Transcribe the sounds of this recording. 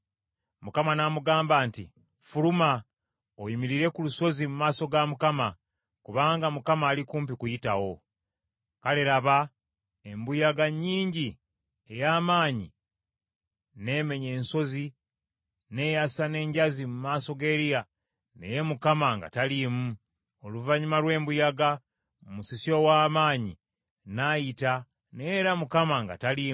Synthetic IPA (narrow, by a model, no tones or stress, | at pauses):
mukamanamuɡaːmbaːnti | fuluma | ojimiɾiɾe̞kuluso̞zimumaːso̞ɡamukama | kuβaːŋɡamukamaːlikuːmp̬ikujitawo̞ | kale̞ɾaβa | e̞mbujaɡaɲːiːɲɟi | e̞jaːmaːɲḭ | ne̞me̞ɲe̞ːnso̞zi | ne̞jasane̞ːɲɟazimumaːso̞ɡe̞ɾija | ne̞̰je̞mukamaŋɡa̰talimu | o̞luvaɲumaɾwe̞ːmbujaɡa | musisio̞waːmaːɲḭ | najita | ne̞ːɾamukamaŋɡa̰tali